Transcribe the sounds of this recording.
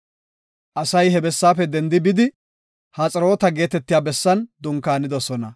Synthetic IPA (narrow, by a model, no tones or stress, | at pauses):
ʔɐsɐjhɛbɛsːaːfɛd̪ɛnd̪ɪbɪd̪ɪ | haːt͡sʼɐɾo̞ːt̪ɐɡe̞ːt̪ɛt̪ːɪjaːbɛsːɐnd̪ʊŋkːaːnɪd̪ɔsɔnɐ̰